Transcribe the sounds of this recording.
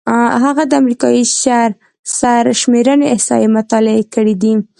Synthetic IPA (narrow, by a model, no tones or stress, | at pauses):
ɦaɣad̪əamɾikɑiʃaɾ | saɾʃmeɾəneɪhsɑ̰jemʊt̪ɑlɪekəɽid̪i